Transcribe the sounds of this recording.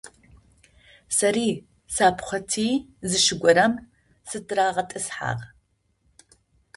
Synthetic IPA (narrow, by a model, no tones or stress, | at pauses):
sɐɾiː | saːpʰχʷɐtʰiːzɨʃɪɡʷɔɾɐm | sɨtʰraːʁɐtʼɨsħa̰ːʁ